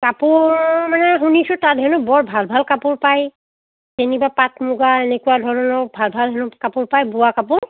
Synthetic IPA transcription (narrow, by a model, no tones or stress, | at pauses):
kapʊɹmanɛxunisʊtatɦɛnʊbɔɹbʱalbʱalkapʊɹpaj | tenibapat̚ʰmʊɡaenekuwadʱɔɹɔnɔɹbʱalbʱalɦɛnʊkapʊɹpajbʊwakapʊɹ